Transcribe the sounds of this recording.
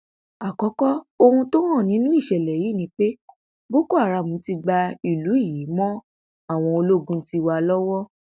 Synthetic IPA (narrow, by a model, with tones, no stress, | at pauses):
a˨kɔ˨˦kɔ˦o˧hũ˧to˦ɾ̃ɔ̃˦˨nĩ˨˦nũ˦i˦˨ʃɛ˨lɛ˨ji˨˦˨nĩ˨˦k͡pe˦ | bo˦ko˦a˦˨ɾa˧˨mũ˨˦ti˧ɡ͡ba˧i˨lu˨˦i˦˨ji˨˦mɔ̃˦ | a˦˨w̃ɔ̃˧o˧lo˦ɡũ˦ti˧˦wa˧lɔ˦wɔ˦